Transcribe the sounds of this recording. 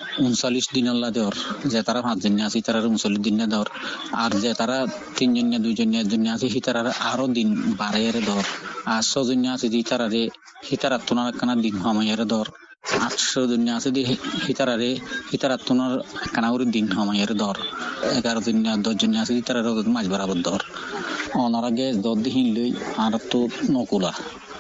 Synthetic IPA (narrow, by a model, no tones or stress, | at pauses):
unsalisd̪inɔlːad̪ɔɾzɛt̪aɾapãsd͡ʒunjaːsiit̪aɾaɾeunsɔlisd̪unjad̪ɔɾaɾzɛt̪aɾa | t̪ind͡ʒɔnjad̪ujd͡ʒɔnjad̪unjaːsɛɦit̪aɾaɾʔaɾɔd̪inbaɾajaɾed̪ɔɾaɾsɔzunjaːsit̪iit̪aɾaɾe | hit̪aɾat̪ːunaɾɛkːanad̪inɦɔmɔjaɾɛd̪ɔɾ | atʃɔd̪unjaːsid̪ihit̪aɾaɾehit̪aɾat̪ːunaɾɛkːanauɾid̪inɦɔmɔjaɾɛd̪ɔɾɛɡaɾɔd̪unjad̪ɔd͡ʒɔnjaːsit̪it̪aɾaɾeɔd̪mad͡ʒbaɾabɔt̪̚d̪ɔɾ | ɔnɔɾaɡɛsd̪ɔd̪eɦĩnlojaɾat̪ːunɔkula